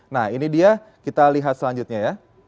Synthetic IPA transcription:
nahinidia | kit̪aliɦat̪̚səlaɲd͡ʒut̪̚ɲaja

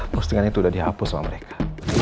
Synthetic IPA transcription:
pɔst̪əŋanit̪uːdadiɦapʊsama̰məɾekʰḁ

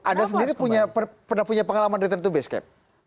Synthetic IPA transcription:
ʔadas̬əndiɾipuɲapəpərnahpuɲapəŋalamanɾit̪ərt̪ubɛskɛ̰p̚

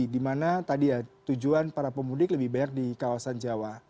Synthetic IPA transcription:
idimanat̪adijat̪ud͡ʒuanpaɾapəmudɪkləbɪhbaɲak̚dikawasand͡ʒawa

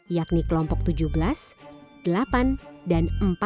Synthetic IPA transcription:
jaknikəlɔmpɔk̚t̪ud͡ʒuhbəlasd̥əlapandanəmp

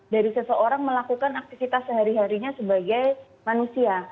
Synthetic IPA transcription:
daɾisəsəoɾaŋməlakukanak̚t̪ifit̪asːəɦaɾiɦaɾiɲasəbaɡaj | manusia

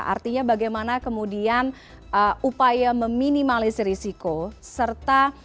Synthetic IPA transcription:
ʔa̰rt̪iɲabaɡajmanakəmudian | əupajaməminimalɪsrisikosərt̪a

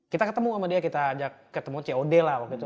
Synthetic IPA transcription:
kit̪akət̪əmuamadiakit̪aːd͡ʒakkət̪əmut͡ʃeodɛlahwakuit̪u

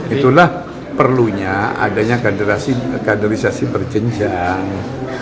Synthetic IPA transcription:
it̪ulah | pərluɲaa̰daɲakadəɾasikandəɾisasibərd͡ʒəɲd͡ʒaŋ

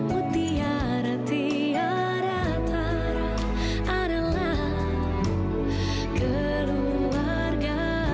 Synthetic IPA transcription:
mut̪i | a | ɾat̪i | a | ɾa | t̪ʰa | ɾa | aɾala | kə | lu | a | rɡa

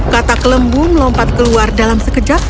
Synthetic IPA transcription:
kat̪akələmbuməlɔmpat̪̚kəluardalamsəkəd͡ʒa

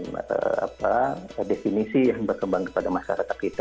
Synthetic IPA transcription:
nə̰a̰padefinisijaŋbərkəmbaŋkə̥padamasa̰ɾat̪akit̪a

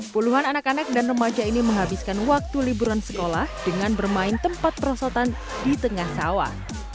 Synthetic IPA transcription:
puluɦananakanak̚danrəmad͡ʒainiməŋɦabiskanwak̚t̪ulibuɾansə̥kolahd̥əŋanbərmaɪnt̪əmpat̪̚pəɾɔsɔt̪an | dit̪əŋahsawa̰h

